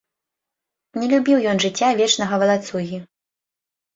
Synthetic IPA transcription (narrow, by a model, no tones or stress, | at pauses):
nʲɛlʲubʲiwjɔnʐɨt͡sʲːavʲɛt͡ʂnɐɣɐvɐlˠat̪suɣʲi